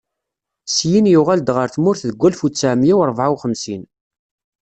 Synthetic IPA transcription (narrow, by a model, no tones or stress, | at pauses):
sjinjuʁæld̪ʁəɾθmʊɾθðəɡʷːælfut͡sːæʕmjiwɾˤvʕawχəmsin